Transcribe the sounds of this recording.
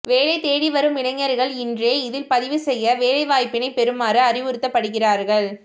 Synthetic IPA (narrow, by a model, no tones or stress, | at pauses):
ʋeːɭɐɪt̪eːɽiʋɐɾɯmɪɳɐŋːɐɾɣɐɭɪndreːɪðɪlpɐðɪʋɯsɛjːɐʋeːlɐɪʋaːjpːɪnɐɪpːɛɾɯmaːɾɐːrɪʋɯɾɯt̪ːɐpːɐɽɯɣɪraːɾɣɐɭ